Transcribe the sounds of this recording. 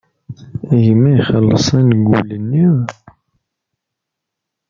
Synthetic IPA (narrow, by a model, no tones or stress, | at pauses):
ʝimæiχəlːəsˤænɡṵlənːið